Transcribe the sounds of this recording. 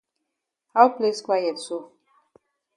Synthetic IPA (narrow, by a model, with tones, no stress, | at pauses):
ha˦ʊ˦ple˦skwa˦jɛ˨tso˦